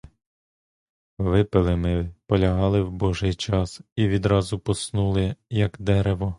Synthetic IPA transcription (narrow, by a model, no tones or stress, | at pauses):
ʋɪpɪlˠɪmɪpɔlʲɐɦɑlˠɪwbɔʒɪjt͡ʃɑsiʋʲid̪ɾɑzʊpɔsnulˠɪjɐkd̪ɛɾeʋɔ